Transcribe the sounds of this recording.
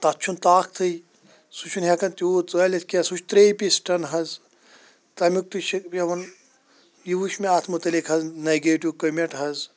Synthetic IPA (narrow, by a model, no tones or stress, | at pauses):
t̪ɐt͡ʃʰunt̪aːk̚ʰt̪ʰɨj | sut͡ʃʰunɦʲekɐnt̪ʲuːt̪t͡sɐlʲɐt̪ʰʲkʲiɐsut͡ʃʰt̪ɾeːpisʈɐnɦɐz | t̪ɐmʲuk̚t̪uʃikjɐʋɐn | jiʋuʃmiaːt̪ʰmut̪ɐlikʰɦɐzneɡeːʈiwkɐmʲeʈɦɐz